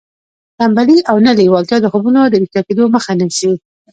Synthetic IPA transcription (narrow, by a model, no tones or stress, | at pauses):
tambaliʔawnəliwɑlt̪jɑd̪əxobunod̪əɾixt̪ɑked̪oməxanəʃi